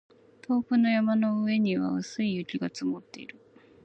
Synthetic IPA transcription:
t̪o̞ːɸɯ̟no̞jamano̞ɯe̞ɲ̟iβa̰ɯsɨijɯ̟kʲiɡat͡sɨmot̪ːe̞̰ḭɾɯ̟

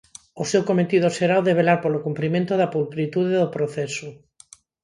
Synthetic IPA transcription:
osewkomet̪iðoseɾaoðeβ̞elaɾpolokumpɾimẽnt̪oðapulkɾit̪uðeðopɾoθɛso

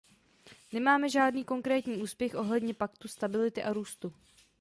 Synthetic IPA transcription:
nɛmaːmɛʒaːdniːko̞ŋkɾɛːt̪ɲiːʔuːspjɛxʔo̞ɦlɛdɲɛpakt̪ust̪abɪlɪt̪ɪʔaɾuːst̪u

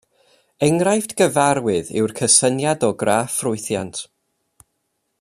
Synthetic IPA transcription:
ɛŋrajfdɡəvaɾwɨðɪ̰wrkʰəsənjadɔɡraːfrʊɨθja̰ntʰ

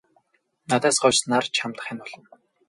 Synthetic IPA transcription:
nat̪æːsɢɔt͡ɕnart͡ɕʰamt̪ə̥̆χanpɔɮɞ̆n

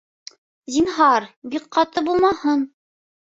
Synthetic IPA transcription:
zinɦɑɾbik̚qɑt̪ɤbulˠmɑhɤn

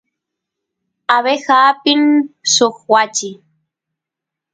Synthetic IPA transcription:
aβexaːpɪnsoχwat͡ʃɪ

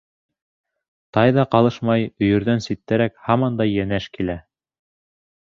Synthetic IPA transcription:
t̪ɑjðɑqɑlˠɤʃmɑjɵ̆jɵ̆ɾðænsit̪ːæɾækhɑmɑnd̪ɑjːænæʃkilæ

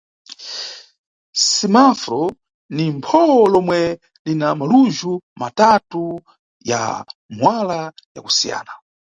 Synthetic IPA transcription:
simafɾɔ | nimpʰɔwɔlɔmwɛ | linamaluʒumatatu | ja̰mwalaja̰ku̥sija̰ːna

